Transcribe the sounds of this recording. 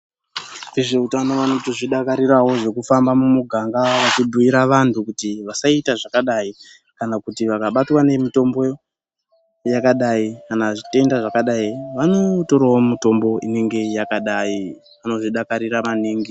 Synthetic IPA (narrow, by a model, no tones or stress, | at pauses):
eʐeutano̞ʋano̞toʐiɗakaɾirawo̞ʐe̞kufambamumuɡʱaŋɡaʋat͡ʃibʱuiɾaʋantʰukutiʋasaitaʐakaɗai | kanakutiʋakaɓatwane̞mito̞mbo̞ | jakaɗaikanaʐite̞ndaʐakaɗaiʋano̞to̞ɾawomito̞mbo̞ine̞ŋɡe̞jakaɗai | ano̞ʐiɗakaɾiramaniːŋɡi